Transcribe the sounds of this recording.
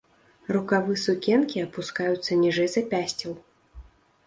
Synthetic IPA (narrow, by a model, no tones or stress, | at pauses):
rukavɨsukʲɛnkʲiɐpuskajut̪sːɐnʲiʐɛjzɐpʲasʲt͡sʲɐw